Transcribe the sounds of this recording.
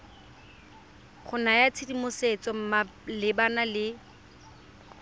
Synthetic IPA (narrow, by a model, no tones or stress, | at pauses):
χʊnajat͡sʰedimʊset͡sɔm̩malɪbanalɪ